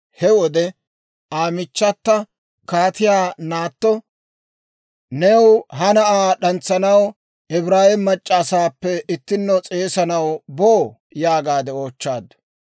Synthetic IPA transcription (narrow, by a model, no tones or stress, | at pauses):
hɛwɔd̪ɛ | aːmɪt͡ʃːɐt̪ːɐ | kaːt̪ɪjaːnaːt̪ːɔ | nɛwɦɐnɐʔaːɗɐnt͡sːɐnɐw | ɪbɾaːhɪmːɐt͡ʃʼːɐːsaːpːɛɪt̪ːɪnːɔt͡sʼe̞ːsɐnɐwboː | jaːɡaːd̪ɛo̞ːt͡ʃːaːd̪ːɐ̥